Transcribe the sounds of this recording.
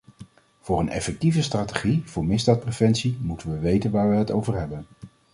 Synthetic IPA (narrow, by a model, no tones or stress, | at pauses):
v̥ʊːɹənɛ̰fɛk̚tivəstraːteχiv̥ʊːɹmɪzdaːt̚prevɛnsimutənʋəʋejtənʋaːɹʋəɦətowvəɹɦɛbən